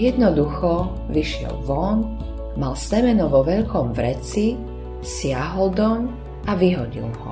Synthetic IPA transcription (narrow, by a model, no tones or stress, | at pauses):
jɛd̪nɔd̪uxɔ | ʋiʃɪɛ̰lʋɔn | malsɛmɛnɔʋɔʋɛʎkɔmvɾɛt͡si | sɪaɦɔld̪ɔm | aʋiɦɔɟḭlɦɔ̰